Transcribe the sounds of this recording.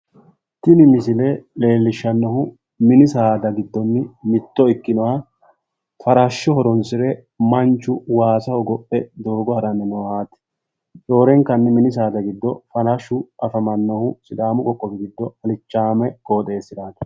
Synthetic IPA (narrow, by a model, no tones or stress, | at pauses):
t̪ɪnɪmɪsɪlɛle̞ːlːɪʃːɐnːɔhʊ | mɪnɪsaːd̪ɐɡɪd̪ːɔnːɪmɪt̪ːɔɪkːɪnɔwa | fɐɾaʃːɔhɔɾɔnsɪɾɛ | mɐnt͡ʃːʊwaːsɐhɔɡɔpʼːɛd̪o̞ːɡɔhɐɾɐnːɪnɔːhaːt̪ɪ̥ | t͡ʃʼo̞ːɾɛŋkːɐnːɪmɪnɪs̬aːd̪ɐɡɪd̪ːɔfɐɾɐʃːʊʔɐfɐmɐnːɔhʊsɪd̪aːmʊkʼɔkʼːɔfɛɡɪd̪ːɔɐlɪt͡ʃːaːmɛkʼo̞ːt̪ʼe̞ːsːɪd̪aːt̪ɐ̥